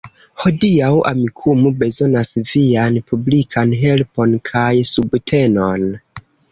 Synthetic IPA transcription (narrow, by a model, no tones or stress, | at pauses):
ho̞diawa̰mikʰumube̞zo̞nasvianpublikʰanɦe̞lpo̞nkʰajsubtʰe̞no̞n